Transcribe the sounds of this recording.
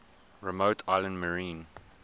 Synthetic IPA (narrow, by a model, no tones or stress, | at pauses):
ɹɛmoʊtʰaɪlə̃ndməɹĩːn